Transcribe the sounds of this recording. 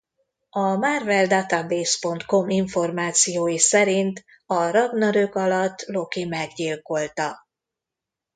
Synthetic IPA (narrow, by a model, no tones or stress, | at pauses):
ɒmarvɛld̪at̪abeːspo̞nt̪ko̞miɱfo̞rmaːt̪sijoːjisɛɾint̪ | ɒɾɒɡnɒɾøkɒlɒt̪ːlo̞kimɛɡɟilko̞lt̪ɒ